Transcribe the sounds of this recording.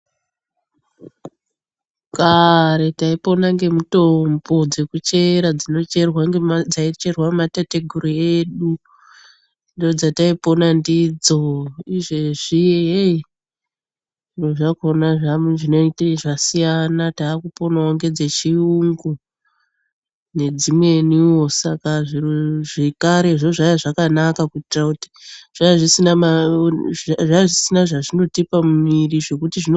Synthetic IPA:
kaɾe̞taipo̞naŋɡe̞muto̞mbo̞d͡ze̞kut͡ʃe̞ɾad͡zino̞t͡ʃe̞rwaŋɡed͡zait͡ʃe̞rwamatate̞ɡʱuɾieɗu | ndiod͡zataipo̞nandid͡zo̞iʐe̞ʐijeei | doʐakonaʐaʐinoitaʐasijanataːkupo̞naoŋɡe̞d͡zet͡ʃiuŋɡu | ne̞d͡zimwe̞niwo̞sakaʐiʐekaɾe̞ʐoʐajaʐakanakakutitirakuti̥ʐ̥aʐisinama | ʐaʐisinaʐaʐino̞tipamuiriʐe̞kutiʐino

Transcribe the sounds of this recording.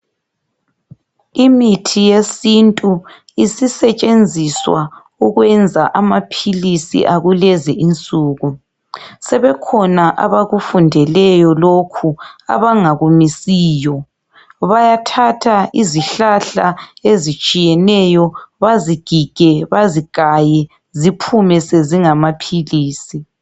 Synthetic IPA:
imitʰijesintʼu | isisɛt͡ʃʼend͡zʱiswa | uɣwɛnd͡zʱaʔamapʰilisḭʔaɣulɛziʔint͡sʼuːɣu | sɛβɛkʰɔnaʔaβaɣufundʱɛlɛjɔlokʰua̰βaŋaɣumisiːjɔ | βajatʰatʰaiziɬaɬaezit͡ʃʼijɛnɛjɔβaziɡ̥ʱiɡ̥ʱɛβaziɡ̥ʱajɛ | zipʰumɛseziŋamapʰiliːsi

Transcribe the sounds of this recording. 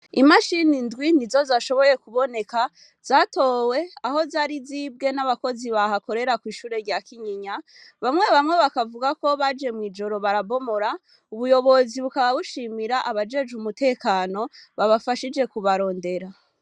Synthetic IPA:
imaʃinindɡwinizo̞zaʃo̞βo̞je̞kuβo̞ne̞ka | z̥aːto̞ːwe̞aho̞zaɾizib̚ɡe̞naβako̞ziβahako̞ɾe̞ɾakwiːʃuːɾe̞ɾɟakiɲiɲa | βamŋe̞βamŋe̞βakavuɡako̞βad͡ʒe̞mwid͡ʒo̞ɾo̞βaɾabo̞mo̞ɾa | uβujo̞βo̞ziβukaβaβuʃimiɾaʔaβad͡ʒe̞d͡ʒumutʰe̞ːkaːno̞βaβafaʃid͡ʒe̞kuβaɾo̞ːnde̞ɾa

